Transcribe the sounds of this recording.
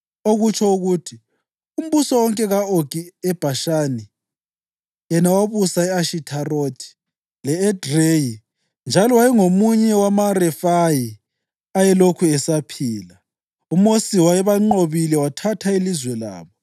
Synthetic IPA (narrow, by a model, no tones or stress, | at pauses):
oɣut͡ʃʰɔuɣutʰi | um̩βusɔwɔŋkʼɛɣaoɡ̥iɛb̥ʱaʃaːni | jɛnawaβusaɛaʃitʰarotʰi̥ | lɛːd̥reji | nd͡ʒʱalɔwajɛŋomuɲɛwamarɛfaji | ajɛlokʰuɛsapʰiːla | umosiwajɛβaŋ͡ǃoβilɛwatʰatʰailizwɛla̰ːβɔ